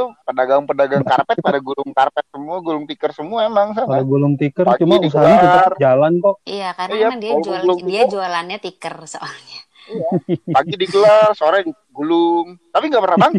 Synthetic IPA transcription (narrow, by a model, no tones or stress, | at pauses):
upədaɡaŋŋpədaɡaŋkarpɛt̪̚padaɡulʊŋkarpɛt̪̚səmuaɡulʊŋt̪ikərsəmuaemaŋs̬akaloɡulʊŋt̪ikəraɡt͡ʃumaus̬aɲak̪iard͡ʒalant̪ɔʔijakarjaadiaalalʊŋdiad͡ʒualanɲat̪ikərsə̰ʔalɲa | iapaɡidiɡəlarsəoɾad͡ʒ | ɡulʊŋt̪apiŋɡapərnabaŋ